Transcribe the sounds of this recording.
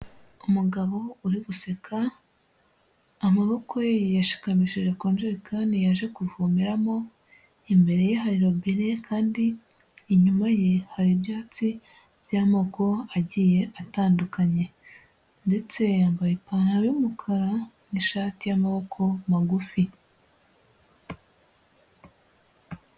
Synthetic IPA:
umuɡaβo̞uɾiβuse̞kʰa | maβo̞kʰo̞jaʃi̥kamiʃiʒe̞koːnd͡ʒeɾikanijaʒe̞kuvumiɾamo̞ | imbe̞ɾe̞jeɦaɾiɾoβiɾekʰaːndiː | ɲumajehaɾibjaːt͡si | b̥jaːmoko̞aɟije̞ʔataːndukaɲe̞ | nde̞t͡se̞jaːmbajepaːnhajumukʰaɾaniʃaːtijamaβo̞kʰo̞maɡufi

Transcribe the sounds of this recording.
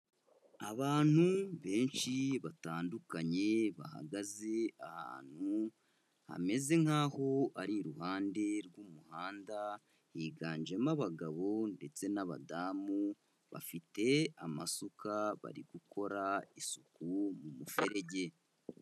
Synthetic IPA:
aβaːn̥huβe̞ːnʃiβataːndukaɲe̞βa̰ha̰ɡaze̞aha̰ːn̥hu | ha̰me̞ze̞ŋ̥haːho̞aɾiɾuhaːnde̞ɾɡuːmuhaːnda | hiːɡaːɲd͡ʒemaβaɡaβo̞nde̞t͡se̞naβa̰daːmu | βa̰fite̞amasukaβa̰ɾiɡ̥ukʰo̞ɾaisukumumufeɾe̞ɟe̞

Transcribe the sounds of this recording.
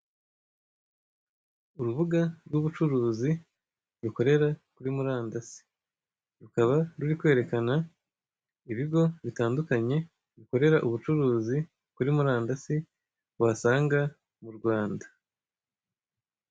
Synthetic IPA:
uɾuβuɡaɾɡuβut͡ʃuɾuːzi | ɾuko̞ɾe̞ɾakuɾimuɾaːndasi̥ | ɾukaβaɾuɾikwe̞ːɾe̞kana | iβiɡo̞βitaːndukaɲe̞ | ɾuko̞ɾe̞ɾaʔuβut͡ʃuɾuːzi | kuɾimuɾaːndasi | wasaːŋɡa | muɾɡwaːndḁ

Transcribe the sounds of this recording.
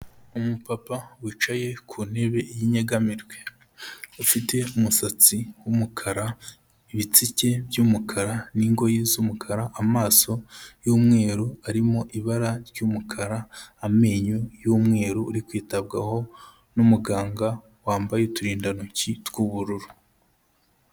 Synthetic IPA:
umupapawit͡ʃaje̞kʰuːne̞βe̞ijiɲeɡamiɾɡwe̞ | ufite̞umusat͡siwumukʰaɾa | iβit͡sice̞bjuːmukʰaɾaniŋɡo̞jiːzumukʰaɾaʔamaːso̞juːmŋe̞ːɾuaɾimo̞ʔiβaɾaɾɟuːmukʰaɾaːme̞ːɲujuːmŋe̞ːɾuːɾikwiːtabɡa̰ho̞ | numuɡaːŋɡa | waːmbajetuɾiːndanucitkuːβuɾuɾu

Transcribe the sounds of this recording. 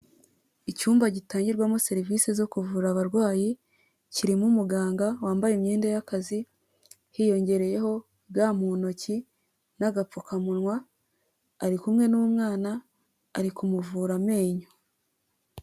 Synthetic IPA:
icuːmbaɟitaːɲɟiɾɡwamose̞ɾivise̞zo̞kuvuɾaβaɾɡwaːji | ciɾimumuɡaːŋɡawaːmbajemɲeːndajakazi | hijo̞ɲɟe̞ɾe̞je̞ɦo̞ | bɡaːmuno̞ci | naɡap͡fokamunwaː | ɾikumŋe̞nuumŋaːnaː | ɾikumuvuːɾame̞ːɲo

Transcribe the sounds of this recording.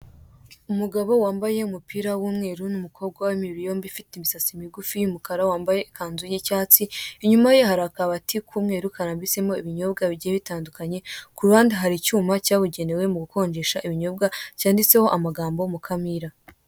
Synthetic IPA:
umuɡaβo̞waːmbaje̞umupiːɾawuːmŋe̞ːɾunumukʰo̞b̚ɡwawamiɾijo̞mbifiteimisasimiɡufijumukaɾawaːmbajekʰaːnzujicaːt͡siiɲumaje̞haɾakaβatikʰuːmŋe̞ːɾukaɾaːmbise̞mo̞iβiɲo̞b̚ɡaβiɟieβitaːndukaɲe̞kuɾuaːndiɦaɾicuːmacaːβuɟe̞ne̞we̞muɡuko̞ːɲd͡ʒe̞ʃaʔiβiɲo̞bɡacaːndit͡se̞ho̞ʔamaɡaːmbo̞mukʰamiɾa

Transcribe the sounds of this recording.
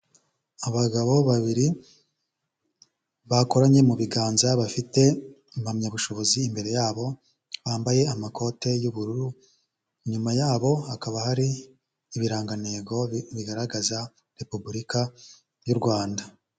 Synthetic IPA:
aβaɡaβo̞βaβiɾi | βako̞ɾaɲe̞muβiɡaːnzaβafite̞ | mhamɲaβuʃo̞βo̞ziːmbe̞ɾe̞jaːβo̞ | βaːmbaje̞amakʰo̞te̞juβuɾuɾu | ɲumajaːβo̞hakaβahaɾiː | βiɾaːŋɡane̞ːɡo̞βiɡaɾaɡaza | ɾe̞pubuɾika | juɾɡwaːnda

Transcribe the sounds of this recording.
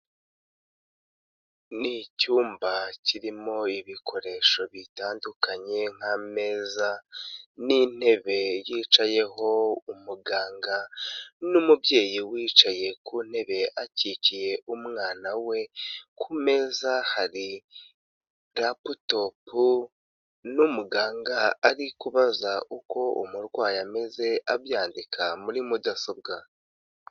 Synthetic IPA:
nicuːmbaciɾimo̞iβikʰo̞ɾe̞ːʃo̞βitaːndukaɲe̞ŋ̥ame̞ːzanin̥e̞βe̞jiːt͡ʃaje̞ho̞umuɡaːŋɡanumubje̞ːjiwiːt͡ʃaje̞kun̥he̞βe̞ʔacicije̞umŋaːnawe̞kʰume̞zahaɾi | ɾaputo̞pʰu | numuɡaːŋɡaːɾikuβazaʔuko̞ṵmuɾɡwaːjame̞ze̞ʔabjaːndikʰamuɾimudasob̚ɡa

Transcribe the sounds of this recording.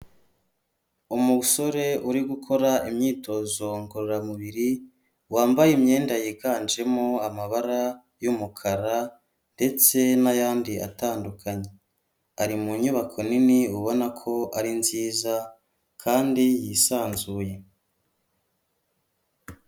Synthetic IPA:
umuuso̞ɾe̞uɾiɡukʰo̞ɾaimɲiːto̞ːzo̞ŋɡoɾoɾamuβiɾi | waːmbajimɲe̞ːndajiɡaːnd͡ʒe̞moamaβaɾa | jumukʰaɾa | nde̞t͡se̞najaːndiʔa̰taːndukʰaɲe̞ | aɾimuɲuβakʰo̞niniuβo̞nakʰo̞ʔaɾinziːza | kʰaːndijisaːnzuːje̞

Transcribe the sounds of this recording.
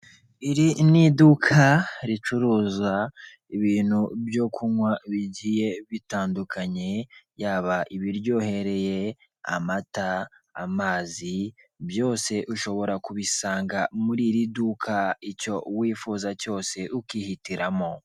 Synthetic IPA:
iɾinidukʰaɾit͡ʃuɾuːza | iβiːn̥hubjo̞kʰuŋwaβiɟije̞βitaːndukʰaɲe̞jaːβaʔiβiɾjo̞he̞ɾe̞je̞ | a̰mataː | maːzi | bjo̞ːse̞ʔuʃo̞βo̞ɾakuβisaːŋɡamuɾiɾidukʰaico̞wiːfuːzaco̞ːse̞ʔukiːhitiɾamo̞

